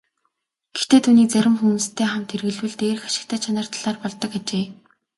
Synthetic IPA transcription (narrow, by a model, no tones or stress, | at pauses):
ɡ̥ext̪eːt̪ʰuːniːk̚t͡sæɾʲɪ̆mxumuːst̪ʰeːχamt̪ʰerɣɘ̆ɮwɘ̆ɮt̪eːr̆xḁʃɪ̥̆k̚t̪ʰə̆t͡ɕʰanə̆r̥t̪ɮ̥aːrpɔɮt̪ɞ̆kat͡ɕeː